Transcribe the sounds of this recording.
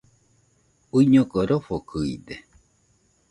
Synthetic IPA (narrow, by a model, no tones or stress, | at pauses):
uiɲõkoɾofokʰɯḭd̪e